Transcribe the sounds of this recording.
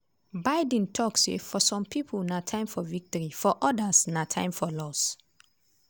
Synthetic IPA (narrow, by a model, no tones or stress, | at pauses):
baɪdɛ̃ntʰɔksḛfɔsɔ̃mpʰipʰulnatʰãɪ̃mfɔvik̚tɔɹifɔʔɔdasnatʰã̰ɪ̃mfɔlɔs